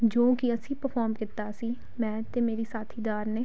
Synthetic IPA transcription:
d͡ʒoːkiəsĩːpəɾpʰɔːɾmkɪt̪aːsiː | mɛ̃ːt̪eːmeːɾiːsaːt̪ʰiːd̪aːɾneː

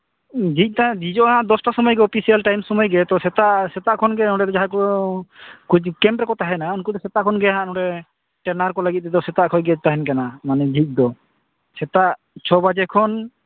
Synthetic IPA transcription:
d͡ʒʱic̚ˀt̪ad͡ʒid͡ʒɔʔɦãʔd̪ɔsʈasɔmɔjɡɛɔpʰisialʈajmsɔmɔjɡɛt̪ɔsɛt̪aʔsɛt̪aʔkʰɔnɡɛnɔ̃ɖɛd̪ɔd͡ʒaɦakɔ | kud͡ʒkɛmpɾɛkɔt̪aɦɛnaɔnkud̪ɔsɛt̪aʔkʰɔnɡɛjaɦãʔnɔɖɛ | ʈɛnaɾkɔlaɡit̪̚ːɛd̪ɔsɛt̪aʔkʰɔjɡɛt̪aɦɛnkanamanɛd͡ʒʱic̚ˀd̪ɔ | sɛt̪aʔ | t͡ʃʰɔbad͡ʒɛkʰɔn

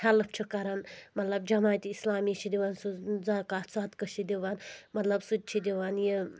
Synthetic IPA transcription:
hɐlɐpʰt͡ʃʰukɐɾɐnmɐt̪lɐb̚d͡ʒɐmaːt̪ʲiislaːmiːt͡ʃʰid̪iʋansuzakaːt̪saːt̪kɐʃid̪ʲiʋaːnmɐt̪lɐbsut̪̚ʲt͡ʃʰid̪ʲiʋanji

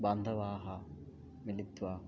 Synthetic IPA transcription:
bɐnd̪ʱɐʋaːɦɐ | milit̪ʋaː

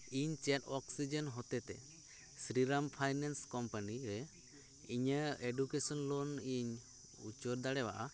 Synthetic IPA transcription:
iɲt͡ʃɛtɔksid͡ʒɛnɦɔt̪ɛt̪ɛ̰ | sɾiɾampʰajnanskɔmpaniɾɛ | iɲəeɖukesɔnlɔniɲ | ṵt͡ʃɔɾd̪aɽɛwaʔa

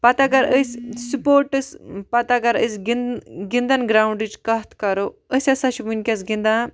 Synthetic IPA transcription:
pɐt̪aɡɐɾəsʲsupoːɾʈɨspɐt̪aɡɐɾəsʲɡinɡind̪ɐnɡɾawuɳɖɨt͡ʃkɐɦt̪ʰkɐɾoəsʲɐsɐʃibunʲkʲɐsɡĩnd̪a

